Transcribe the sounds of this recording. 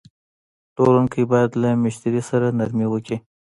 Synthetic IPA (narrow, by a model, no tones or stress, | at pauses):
ʈoɾaŋkəjbɑjad̪lamɪʃt̪aɾisaɾanaɾmiwəki